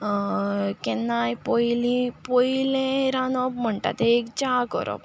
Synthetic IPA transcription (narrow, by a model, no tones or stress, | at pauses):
kɛnːajpɔjlĩpɔjilẽɾanɔp̚m̤əɳʈa̰t̪eekt͡ɕakə̰ɾɔ̰p̚